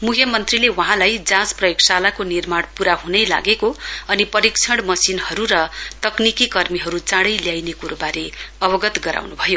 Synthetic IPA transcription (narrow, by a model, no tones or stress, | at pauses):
mukʰjʌmʌnt̪rilewʌɦãlajd͡zãd͡zprʌjoksalakonirmaɽpuɾaɦunʌjla̰ɡekoʌnipʌɾikt͡sʰʌɽmʌsinɦʌɾuɾʌt̪ʌknikikʌrmiɦʌɾut͡sãɽʌjljajnekuɾubaɾeʌbʌɡʌt̪ɡʌɾa̰wnubʱʌjo